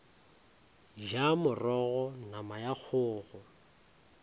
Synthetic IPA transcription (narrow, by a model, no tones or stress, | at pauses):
ʒamʊrɔɣɔnamajak͡xʰʊːɣʊ